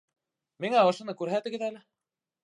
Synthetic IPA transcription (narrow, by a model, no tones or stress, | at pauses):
miŋæŏʃŏnɤkʉɾɦæt̪ɘ̆ɡɘ̆ðælɘ